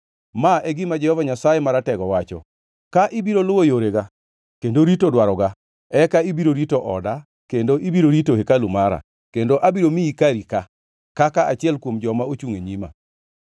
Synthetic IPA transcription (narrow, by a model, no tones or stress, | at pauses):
maɛɡɪmad͡ʒɛhɔvaɲasajemaɾatɛɡɔwat͡ʃɔ̰ | kaʔɪbiɾolʊwojoɾeɡa | kendoɾitodwaɾɔɡa | ɛkaibiɾoɾitoʔɔda | kendoʔibiɾoɾitohekalumaɾa̰ | kendoʔabiɾomiikaɾika | kakaat͡ʃɪɛlkwomd͡ʒɔmaot͡ʃuŋeɲima̰